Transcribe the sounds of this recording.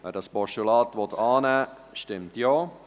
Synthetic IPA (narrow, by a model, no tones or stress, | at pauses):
ʋɛ̰ːɾdɑspɔʃulɑːtʋɔt̪ɑːnɛː | ʃtɪmtjoː